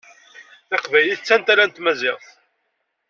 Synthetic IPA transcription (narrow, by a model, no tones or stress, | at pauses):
ɑqvæjliθt͡sːænt̪aɾænt̪mæzɪʁθ